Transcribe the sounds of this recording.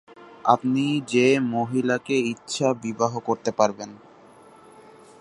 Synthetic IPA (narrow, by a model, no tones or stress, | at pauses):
a̰pnid͡ʑemoɦilakeitːɕʰabibaɦokoɾt̪epaɾben